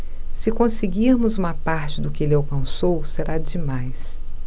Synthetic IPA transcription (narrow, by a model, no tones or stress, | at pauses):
sɪkõsɪɡiɾmʊzũmɐpaɾt͡ʃɪd̪ʊkɪelɪawkɐ̃nsowseɾad͡ʒɪmajs